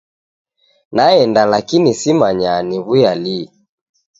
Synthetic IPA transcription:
naɛndalakinisimaɲaniβujali

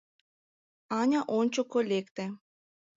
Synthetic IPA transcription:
ɑnʲaʔont͡ɕokolʲekt̪ĕ

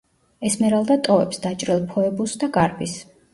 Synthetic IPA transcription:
ɛsmɛɾalˠd̪at̪ʼɔvɛ̰psd̪at͡ʃʼɾilˠpʰɔɛbusd̪aɡaɾbis

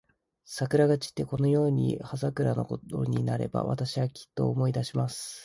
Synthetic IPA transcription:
sakɯ̟ɾaɡat͡ɕi̥t̪ːe̞ko̞no̞jo̞ːɲ̟ḭhazakɯ̟ɾano̞̰ko̞t̪o̞̰ɲ̟inaɾe̞̰ba̰βa̰t̪aɕiβakʲi̥t̪ːo̞̰ːmo̞id̪aɕimasɨ̥

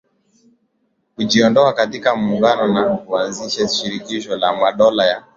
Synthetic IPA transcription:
kuʄiɔndɔakatikam̩uŋɡanɔnakuanziʃaʃiɾikiʃɔlamaɗɔlaja

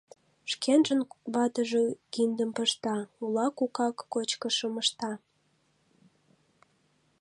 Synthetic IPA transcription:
ʃkenʒənβɑt̪əʒekind̪əmpəʃt̪ɑulɑkukɑkːot͡ɕkəʃəməʃt̪ɑ

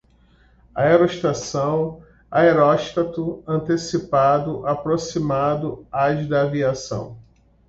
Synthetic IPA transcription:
a̰eɾoʃt̪asɐ̃w̃ | aeɾɔʃt̪at̪ʊɐ̃nt̪esipad̪ʊʔapɾosimad̪ʊad͡ʒid̪ɐːviasɐ̰̃w̃

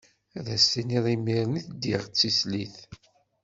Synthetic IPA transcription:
ðæsːiniðˤimːiɾniθd̪iʁt͡sːisliθ

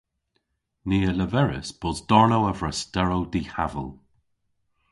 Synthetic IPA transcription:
niːələvɛɹɪ̰sb̥ɔzdɔɹnowəvɹəstɛɹowdiːhavə̰lˠ

